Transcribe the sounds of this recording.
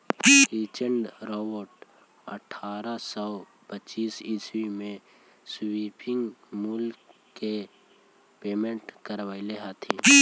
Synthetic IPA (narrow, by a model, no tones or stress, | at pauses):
ɾiːt͡ʃəɳɖɾɔːbəɾʈ | ə̰ʈʰaːɾasɔː | pət͡ʃiːsiswimẽ | swiːpɪ̃ŋɡmʊlkː | e | peːmẽɳʈkəɾʋaːileɦat̪ʰi